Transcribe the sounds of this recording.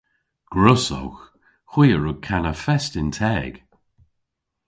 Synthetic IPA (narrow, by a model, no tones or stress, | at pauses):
ɡ̥ɹʊsɔ̰wx | xw̥iːəɹʊɡ̚kʰanəfɛstɪntʰɛːɡ̥